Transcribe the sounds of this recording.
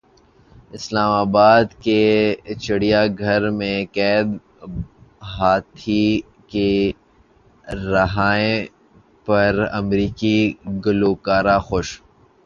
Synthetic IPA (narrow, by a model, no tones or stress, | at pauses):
ɪslaːmaːbaːd̪ket͡ʃɐɽijaɡʱɐɾmẽkɛːd̪ | ɦaːt̪ʰi | ke | ɾɐɦaːẽ | pɐɾɐ̰mɾiːkiɡʊloːkaːɾaxoʃ